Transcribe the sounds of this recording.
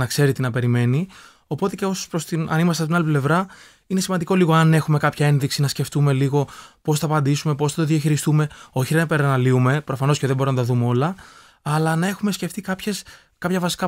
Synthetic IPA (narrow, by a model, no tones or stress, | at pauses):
nɐkse̞ɾit̪inɐpe̞ɾime̞ni | o̞po̞t̪eceopɾost̪inɐ̰nimɐst̪est̪inɐliple̞vɾɐ | ine̞simɐnd̪iko̞liɣo̞ɐne̞xume̞kɐpçɐe̞nðiksinɐsce̞ft̪ume̞liɣo̞po̞sθɐːpɐnd̪isume̞po̞sθɐt̪oðiɐçiɾist̪ume̞o̞çiðeɐpeɾɐnɐliume̞pɾo̞fɐno̞sceðebo̞ɾonɐt̪ɐðumeo̞lɐː | lɐnɐe̞xume̞sce̞ft̪ikɐpçes | kɐpçɐvɐsi̥kɐ